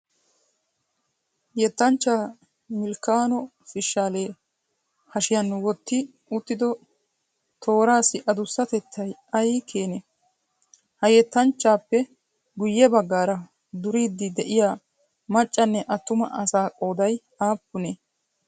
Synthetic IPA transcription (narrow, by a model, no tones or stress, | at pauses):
jɛt̪ːɐnt͡ʃːaː | mɪlkaːnɔ | fɪʃaːleː | hɐʃɪjɐnːwɔt̪ːɪ | ʊt̪ːɪd̪ɔ | t̪ʰo̞ːɾaːsɪʔɐd̪ʊsːɐt̪ɛt̪ʰːɐjɐjkʰeːne | hɐjɛt̪ːɐnt͡ʃːaːpːɛ | ɡʊjːɛbɐɡːaːɾɐ | d̪ʊɾiːd̪ːɪd̪ɛʔɪjaː | mɐt͡ʃʼːɐnːɛʔɐt̪ːʊmɐ̰ʔɐsaːkʼo̞ːd̪ɐj | aːpːʊne